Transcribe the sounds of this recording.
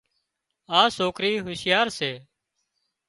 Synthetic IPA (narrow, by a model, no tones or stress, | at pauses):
aːsoːkɾiːɦʊsjaːɾseː